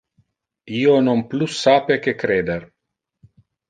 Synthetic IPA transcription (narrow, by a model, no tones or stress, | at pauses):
ionomplusːaːpekekɾeːd̪er